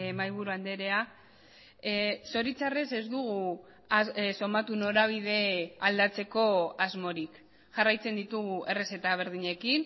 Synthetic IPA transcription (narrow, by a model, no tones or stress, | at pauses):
majβ̞uɾuand̪e̞ɾe̞a | so̞ɾit͡sare̞se̞zd̪uɣ̞u | aso̞mat̪uno̞ɾaβ̞ið̞e̞ald̪at͡se̞ko̞azmo̞ɾik | ʝarajt͡se̞nd̪it̪uɣue̞re̞se̞t̪aβ̞e̞ɾð̞iɲe̞kin